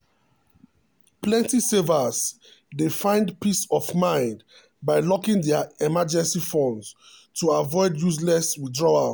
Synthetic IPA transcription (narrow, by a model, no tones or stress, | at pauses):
plɛ̃ntisɛvəz | defãɪ̃ndpisɔfmãɪ̃nd | baɪlɔkĩŋdɛaɛmad͡ʒɛ̃nsifɔ̃ns | tʰuavɔɪdjus̬lɛswidɹɔa